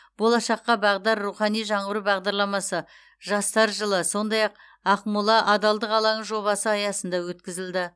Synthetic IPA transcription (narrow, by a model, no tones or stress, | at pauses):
b̥o̞lˠɑʃɑqːɑbɑʁd̪ɑɾːuχɑnijʒɑɴəɾəbɑʁd̪ɑɾlˠɑmɑsə | ʒɑst̪ɑɾʒəlˠəso̞nd̪ɑjɑq̚ | ɑqmulˠɑʔɑd̪ɑlˠd̪əqɑlˠɑnəɴʒo̞βɑsəɑjɑsənd̪ɑwɵt̪kʲɪzɪld̪ɪ